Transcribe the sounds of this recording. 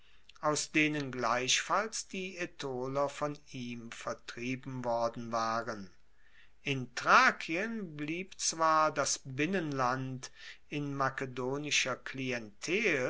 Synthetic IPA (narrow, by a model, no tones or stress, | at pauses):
ʔaʊsd̥eːnənɡlaɪɕfalsd̥iːetʰoːlɐfɔniːmfɛɐtʁ̥iːbm̩vɔɐdn̩vaːʁən | ʔɪntʁ̥aːkʰiənbliːpt͡sv̥aːɐdasbɪnənlant | ɪnmakedoːnɪʃɐkliɛntʰɛːl